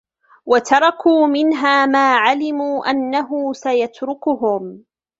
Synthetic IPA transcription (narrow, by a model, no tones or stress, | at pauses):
wat̪ʰɑɾˤɑkuːmɪnɦaːmaːʕalɪmuːʔanːaɦʊːsajat̪ɾʊkʊɦʊm